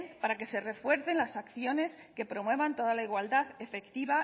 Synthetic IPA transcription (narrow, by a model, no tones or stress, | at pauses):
npaɾake̞se̞re̞fwe̞ɾθe̞nlasakθjo̞ne̞s | ke̞pɾo̞mwe̞βant̪o̞ðalaiɣwald̪aðe̞fe̞kt̪iβa